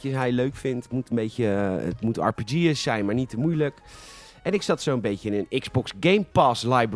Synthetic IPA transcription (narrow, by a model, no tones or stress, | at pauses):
əɦɛjløɥkfɪntmutənbejcəə̰tmutɑ̰ɹpid͡ʒiəsɛjnmaːɹnitəmujlək | ɛnɪksɑtsowənbejcəɪnənɪkzbɔksɡejmpaːslajb